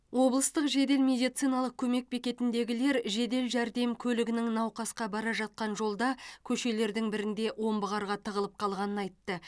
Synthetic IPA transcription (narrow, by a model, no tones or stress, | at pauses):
wo̞blˠəst̪əqʒe̞d̪e̞lmʲe̞d̪ijt̪sijnɑlˠəq̚kʲʰɵme̞k̚bekʲe̞t̪ɪnd̪e̞ɡʲɪle̞ɾʒe̞d̪e̞lʒæɾd̪e̞mkʲʰɵlɪɡʲɪnɪŋnɑwqɑsqɑbɑɾɑʒɑt̪̚qɑnʒo̞lˠd̪ɑkʲʰɵʃe̞le̞ɾd̪ɪŋbɪɾɪnd̪e̞wʔo̞mbəʁɑɾʁɑt̪ʰəʁəlˠəp̚qʰɑlˠʁɑnənɑjt̪ːə